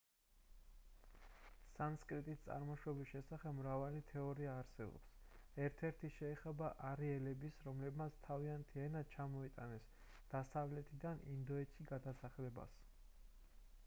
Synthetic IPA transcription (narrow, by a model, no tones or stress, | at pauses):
sanskʼɾit̪ʼist̪sʼa̰ɾmɔʃwɔbisʃɛsaχɛbmɾavalit̪ʰɛɔɾiaːɾsɛbɔ̰psɛɾt̪ʰɛɾt̪ʰiʃɛːχɛbaʔaɾiɛlɛbisɾɔmlɛbmat̪sʰt̪ʰaviant̪ʰiɛnat͡ʃʰamɔit̪ʼa̰nɛs | d̪̥asavlɛt̪ʰid̪anind̪ɔɛt͡ʃʰiɡad̪asaχɛlɛba̰s